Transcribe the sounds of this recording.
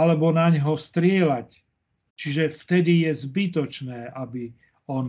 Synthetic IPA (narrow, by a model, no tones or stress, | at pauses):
alɛbɔnaɲɦɔst̪ɾɪɛlac | t͡ʃiʒɛft̪ɛd̪ijɛzbit̪ɔt͡ʃnɛːʔabi | ɔn